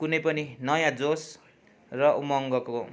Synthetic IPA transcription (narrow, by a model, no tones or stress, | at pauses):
kunʌjpʌninʌjãd͡zos | rʌʔumʌŋɡʌko